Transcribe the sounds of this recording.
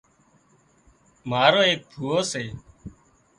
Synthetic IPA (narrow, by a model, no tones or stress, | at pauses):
maːɾoːeːk̚bʰʱuːoːseː